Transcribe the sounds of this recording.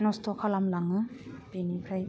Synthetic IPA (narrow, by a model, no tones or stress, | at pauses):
nɔstʰɔkʰalamlaŋɯpinikʰɾaj